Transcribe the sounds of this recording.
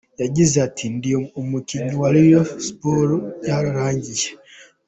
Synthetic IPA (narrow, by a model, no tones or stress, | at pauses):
jaɟizatʰindiomukiɲuwaɾijosi̥poɾujaːɾaɾaːɲɟiʒe